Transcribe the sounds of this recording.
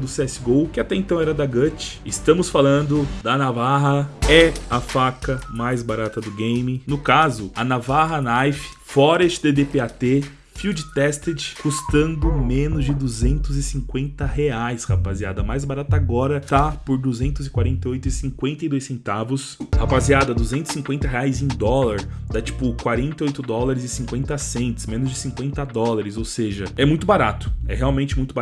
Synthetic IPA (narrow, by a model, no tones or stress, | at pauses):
d̪ʊsɛsɪɡowkɪat̪ɛẽnt̪ɐ̃w̃ɛɾɐd̪aɡɐt͡ʃɪ̥ɪst̪ɐ̃mʊsfalɐ̃nd̪ʊd̪ɐnavaɦɐɛɐfakɐmajzbaɾat̪ɐd̪ʊɡẽj̃mɪnʊkazʊɐnavaɦɐnajfɪ̥fɔɾɐest͡ʃɪd̪ed̪epeat̪e | fiwd͡ʒɪt̪ɛst̪ed͡ʒɪ̥kust̪ɐ̃nd̪ʊmẽnʊzd͡ʒɪd̪uzẽnt̪ʊzɪsĩŋkwẽnt̪ɐheajshapazia̰d̪ɐmajzbaɾat̪ɐaɡɔɾɐt̪apoɾd̪uzẽnt̪ʊzɪkwaɾẽnt̪eojt̪ʊɪsĩkwẽnt̪ɐɪd̪ojsẽnt̪avʊshapaziad̪ɐd̪uzẽnt̪ʊzɪ̥sĩŋkwẽnt̪ɐɦeajzẽj̃d̪ɔlɐɾd̪at͡ʃi̥pʊkwaɾẽnt̪ɐojt̪ʊd̪ɔlaɾɪzɪsĩŋkwẽnt̪ɐsẽnt̪ɪ̥smẽnʊzd͡ʒɪsĩŋkwẽnt̪ɐd̪ɔlaɾɪzowseʒɐɛmũj̃t̪ʊbaɾat̪ʊ̥ɛ̰ɦeawmẽnt͡ʃɪmũj̃t̪ʊb